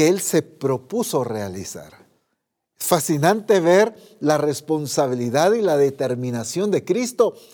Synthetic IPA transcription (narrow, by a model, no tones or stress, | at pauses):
eelse̞pɾo̞puso̞re̞alḭsa̰ɾ | sfasinant̪e̞βe̞ɾ | lare̞spo̞nsaβ̞iliðaðilaðe̞t̪e̞ɾmĩnasjo̞nd̪e̞kɾist̪o̞